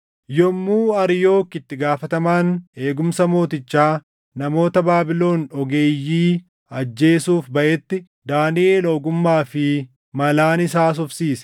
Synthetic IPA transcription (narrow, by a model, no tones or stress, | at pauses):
jɔmːuːɐɾjo̞ːkːɪt̪ːɪɡaːfɐt̪ɐmaːne̞ːɡʊmsɐmo̞ːt̪ɪt͡ʃːaː | nɐmo̞ːt̪ɐbaːbɪlo̞ːnɔɡe̞ːjːiː | ɐd͡ʒːe̞ːsuːfbɐʔɛt̪ːɪ | d̪aːnɪʔeːloːɡʊmːaːfɪ | mɐlaːnɪs̬aːs̬ɔfsiːsɛ̥